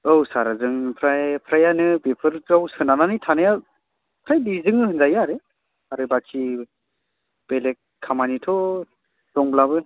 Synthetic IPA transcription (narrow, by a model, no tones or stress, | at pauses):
ɯwsaɾazɯŋpʰɾajpʰɾajanɯbepʰɯɾzawsɯnananɯjtʰanaja | pʰɾajbizɯŋɯhɯnzajaɾe | aɾɯbakʰi | b̥elek̚ | kʰːamanitʰɔ | d̥ɔŋblabɯ